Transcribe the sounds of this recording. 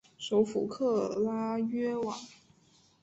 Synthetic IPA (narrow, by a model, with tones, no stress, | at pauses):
ʂo˧˥ʊfṵ˨˩kʰɤ˥˩la˥ɥɛ˥wɑ̰˨˩˦ŋ